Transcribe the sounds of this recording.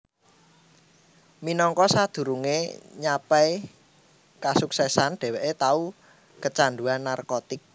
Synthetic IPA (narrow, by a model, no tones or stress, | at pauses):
minɔŋkɔsad̪̥ṳɾuŋḛɲapɛi | kasuksɛsanɖ̥ɛ̤wɛʔet̪au | kət͡ʃanduanːarkot̪ɪk̚